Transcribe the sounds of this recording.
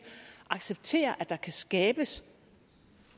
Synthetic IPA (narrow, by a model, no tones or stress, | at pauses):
ʔɑ̈ɡ̥seb̥̚t͡sʰe̝̰ːɐʔæ̥ɑ̈kʰæsɡ̥ɛːb̥əs